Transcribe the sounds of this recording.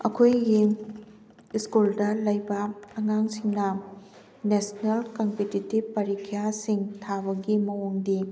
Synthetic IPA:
ɐ̰kʰojɡi | iskuldɐlɐjbɐːŋaŋsiŋnɐ | nesnelkɐmpetitibpːɐɾikʰijasiŋtʰabɐɡimɐwoŋdi

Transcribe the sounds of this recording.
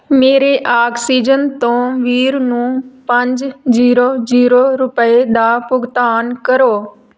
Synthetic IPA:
meːɾeʔaːksiːd͡ʒənt̪õʋiːɾnũːpɐ̃ɲd͡ʒziːɾoziːɾoɾʊpəed̪apʊɡt̪aːnkɐɾoː

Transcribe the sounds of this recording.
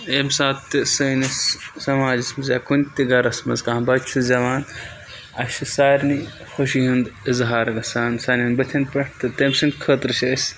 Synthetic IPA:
emsaːt̪ːɨsɐnissɐmaːd͡ʒismɐzjaːkunʲt̪iɡɐɾɐsmɐ̰zkaːbɐt͡ʃʰɨzɐʋaːn | ɐ̰ʃɨsaːɾni | xoʃiɦɐnd̪izɦaːɾɐɡɐsaːnsɐnɐnbɐt̪ʰɐnpɐʈt̪ɨt̪emsɨnkʰət̪ɾɨʃʰɐsʲ

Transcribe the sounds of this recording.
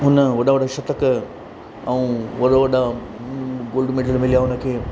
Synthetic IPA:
ɦʊnəʋɐɗaʋɐɽaʃɐt̪ək | ɐũːʋɐɗaʋɐɗa | ɡoːlɖmeɖəlmɪlijaɦʊnə̆kʰeː

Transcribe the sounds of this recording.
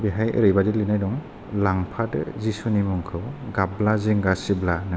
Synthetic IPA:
biɦajə̰ɾɯjbadilinajdɔŋ | laŋpʰad̰zisunimɔŋkʰɯwɡablaziŋɡasiblanɯ

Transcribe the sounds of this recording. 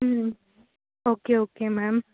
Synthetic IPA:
okeokemam

